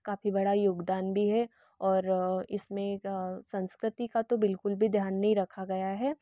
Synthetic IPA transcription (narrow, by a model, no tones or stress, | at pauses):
kaːfibɐɽajʊɡd̪aːnbʱiɦɛ | ɔːɾɪsmẽsɐ̃nskɾɪt̪ikat̪obɪlkʊlbʱid̪ʱjaːnːɐɦĩɾɐkʰaɡɐjaɦɛː